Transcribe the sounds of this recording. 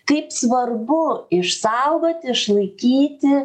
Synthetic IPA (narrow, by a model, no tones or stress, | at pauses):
kɐɪpsʋɐrbʊɪʃsɐʊɡoːt̪ʲɪɪʃlˠɐɪkʲiːt̪ʲɪ